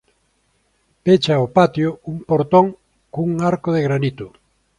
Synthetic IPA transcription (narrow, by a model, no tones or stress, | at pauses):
pet͡ʃaopat̪jouŋpoɾt̪õŋ | kuŋaɾkoðeɣɾanit̪ʊ